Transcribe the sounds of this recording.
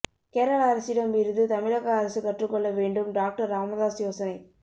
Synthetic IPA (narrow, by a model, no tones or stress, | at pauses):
keːɾɐɭaːɾɐsɪɽɐmɪɾɯðɯt̪ɐmɪɻɐɣɐːɾɐsɯkɐʈrɯkːɔɭːɐʋeːɳɖɯmɖaːk̚ʈɐɾːaːmɐðaːsjoːsɐnɐɪ